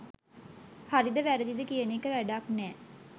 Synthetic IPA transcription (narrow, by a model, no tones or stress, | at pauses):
haɾid̪eʋɛːɾed̪id̪ekiəniːkəɾɛːɖaːknɛː